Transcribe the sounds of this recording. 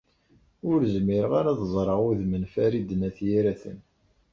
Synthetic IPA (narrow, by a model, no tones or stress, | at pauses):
ʊɾzmiɾʁaɾaðzˤɾˤɑʁʊðmənfæɾid̪ənæθjiɾæθə̰n